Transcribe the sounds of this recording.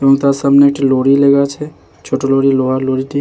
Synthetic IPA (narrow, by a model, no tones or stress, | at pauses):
ʋõŋt̪asəmneʈʰiloɽileɡat͡ʃʰe | t͡ʃʰoʈoloɽiloɦaloɽiʈi